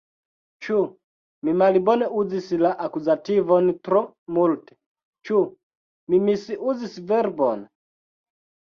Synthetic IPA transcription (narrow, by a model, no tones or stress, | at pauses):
t͡ʃu | mimalibɔnɛʔud͡zisilaʔakuzativɔnit̪ɾɔ | multɛ̥ | t͡ʃu | mimisiʔud͡zisivɛɾibɔna